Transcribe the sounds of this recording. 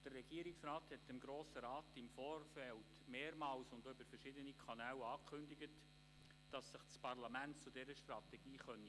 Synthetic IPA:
d̥ərːɛɡ̥iəɾɪksrɑːthɛtɪmɡɾoːsəɾɑːtɪmfɔːrfɛltmeːɾmɑːlsʊndybəɾfəɾʃɪdənikʰɑnɛːlɑːkʰχʏndɪɡət | d̥ɑsːɪχt͡spɑrlɑmæntt͡sudɛɾəʃtrɑtɛɡ̥iːχœni

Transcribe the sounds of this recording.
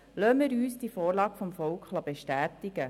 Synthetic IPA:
løːmɪɾyːsd̥ifoːɾlɑːɡfɔmfɔlkʰχlɑbeʃtæːtɪɡ̥ə

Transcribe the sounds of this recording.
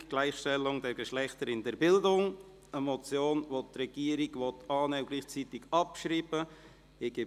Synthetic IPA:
ɡ̥laɪχʃtɛlʊŋdɛɾɡəʃlɛχt̪əɾɪndɛɾbɪldʊŋ | əmɔt͡sjoːnʋot̪rɛɡ̥iːəɾiɡʋɔtʰɑːnɛɡliːχt͡siːtɪɡɑpʃriːbə | ɪɡ̥ɪ

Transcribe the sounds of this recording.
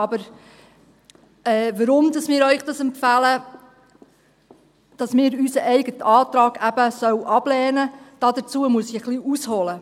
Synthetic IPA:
ɑbəɾ | ɛːʋəɾʊmd̪ɑsmɪːɾœʏχd̥ɑsɛmfælə | d̥ɑsmɪːɾysəʔɛɪɡətɑːt̪ɾɑːɡ̥æb̥əsœwʔɑb̥lɛːnəd̥ɑdət͡suəmuəsiχliʔushɔlə

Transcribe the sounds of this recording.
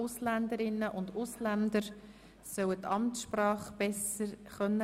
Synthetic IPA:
ʊslænd̪əɾɪnːəʔʊnd̪ʊslænd̪əɾ | sœwət̪ɑmtsʃprɑːχb̥ɛsəχœnːə

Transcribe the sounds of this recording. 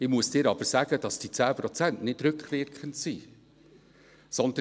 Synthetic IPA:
ɪmuəsd̥ɪːɾɑb̥əɾsæːɡ̥əd̥ɑsd̥it͡sæːpɾɔt͡sæntnɪtɾʏkχʋɪɾkχəntsi | sɔnd̪ə

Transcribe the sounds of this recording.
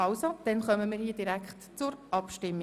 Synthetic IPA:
ɑwsod̥ɛnχœməmiːɾhiːəd̥iɾækχtt͡sʊɾʔɑpʃtɪmː

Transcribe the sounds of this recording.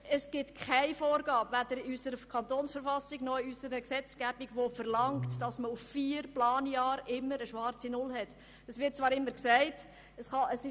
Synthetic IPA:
əsɡ̥ɪtkʰχæɪfoːɾɡɑːbʋædəɾysəɾəkʰɑnt̪oːnsfəɾfɑsiɡnɔiysəɾəksɛt͡sɡ̥æb̥iɡʋofəɾlɑŋktd̥ɑsməuffiːɾplɑːnjɑːɾɪmːəɾəʃʋɑɾt͡sinʊlɦɛt | əsʋɪt̚t͡svʋɑːɾɪmːəɾksæɪt | əsχɑəsɪ

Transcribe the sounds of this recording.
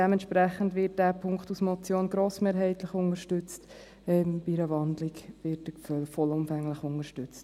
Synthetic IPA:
d̥ɛmɛntʃpɾæχəndʋɪt̚d̥æpʰʊŋkχtusmɔt͡sjoːnɡ̥ɾoːsmeːɾɦɛɪtləχʊnəɾʃtʏt͡st | ɛmbiɾəʋɑndlɪkvɪtəfœlfɔlʊmfæŋləχʊnəʃtʏt͡st

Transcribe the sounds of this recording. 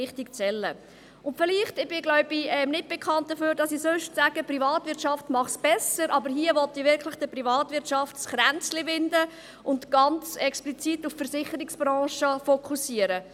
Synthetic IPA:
ɪχtikt͡sɛlːə | ʊntfɪliːχtɪb̥ɪɡ̥lɔʊb̥iɛmnɪt̚b̥ɛkʰɑnt̚d̥əføːɾdɑsisøʃtsæɡ̥əprivɑːtʋɪɾtt͡ʃɑftmɑχsb̥ɛsəɾʔɑbəɾɦiəʋɔtiʋɪɾkʰlɪχd̥əprivɑːtʋɪɾtʃɑftsχɾænt͡slɪvɪndə | ʔʊntɡ̥ɑnt͡sɛksplit͡situffəɾsɪχəɾiksb̥ɾɑ̃ːʃəfɔkʰusiəɾə

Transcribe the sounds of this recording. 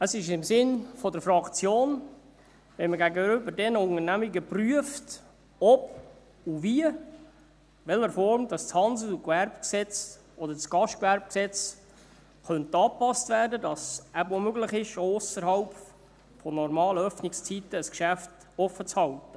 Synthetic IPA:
əsɪʃ̬ɪmsɪnfɔdəɾfɾɑkt͡sjoːn | ʋɛnməɡæɡəʏbəɾdɛnəʊŋənæmiɡəpryəft | ɔb̥ | uviə | ʋɛləɾfɔɾmd̥ɑst͡shɑnsl̩ukʋærbksɛt͡s | ʔɔd̪əɾsɡ̥ɑʃtkʋæɾb̚ksɛt͡s | χœnt̪ɑːpɑstvæːɾdədɑsæbomøɡləχɪʃʊsəɾhɑlp | fɔnɔɾmɑːləœfnɪkst͡sitːəːskʃæft | ɔfət͡shɑltə

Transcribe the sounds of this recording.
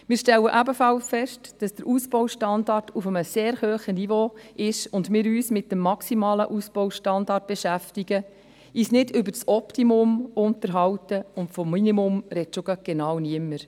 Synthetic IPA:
mɪːɾʃtɛlːəʔæbəfɑlsfɛʃtd̥ɑsd̥əɾʔuːsb̥ɔwʃtɑndɑrtufəməseːɾhøːχənivoːʔɪʃʊndmɪːɾyːsmɪt̚d̥əmːɑksimɑːləʔusb̥ɔwʃtɑndɑrt̚b̥eʃæftiɡə | iːsnɪdʏbəɾt͡sɔptimʊmʊntəɾɦɑwtəʊntfɔmːinimʊmɾɛtt͡ʃʊɡəɡ̥enɑːwniəmːəɾ

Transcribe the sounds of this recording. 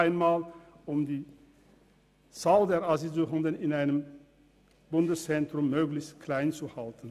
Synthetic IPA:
ɪnmaːl | ʔʊmdiː | t͡saːldeːɐʔazizuʁəndənɪnaɪnəm | b̥ʊndəst͡sɛntʁ̥ʊmːøːɡlɪçstkʰl̥aɪnt͡suhaltn̩

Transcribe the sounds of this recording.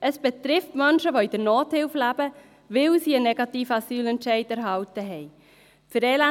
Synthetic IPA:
əsb̥ɛtɾɪftmœnʃəʋoid̥əɾnoːthɪlflæb̥ə | ʋɪlsiːənɛɡ̥ɑtiːfəɑsyːlɛntʃɛɪdæɾɦɑltəɦɛɪ | fʏɾɛːlæ

